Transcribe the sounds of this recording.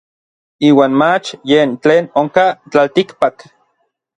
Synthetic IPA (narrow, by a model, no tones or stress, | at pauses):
iːwaːnmat͡ʃjeːnt͡ɬeːnoŋkat͡ɬalt̪ikpak